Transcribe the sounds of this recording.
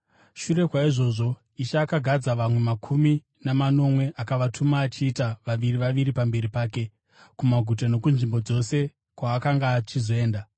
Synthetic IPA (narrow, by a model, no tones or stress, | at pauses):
ʃure̞kwaiʐo̞ːʐo̞ | iʃaːkaɡʱad͡zaʋamwe̞makʰumi | namano̞mwe̞ʔakaʋatʰumaːt͡ʃiːtaʋaʋiriʋaʋiɾipambe̞ɾipaːke̞ | kumaɡʱut̬ano̞kunʐimbo̞d͡zo̞se̞ | kwaːkaŋɡaːt͡ʃizo̞e̞ːnda